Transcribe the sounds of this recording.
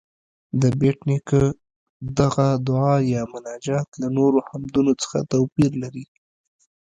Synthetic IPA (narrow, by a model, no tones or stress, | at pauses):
d̪əbeʈnikə | d̪aɣad̪ʊɑjɑmʊnɑd͡ʒɑt̪lanoɾohamd̪unot͡sə̥xa̰t̪awpiɾlaɾi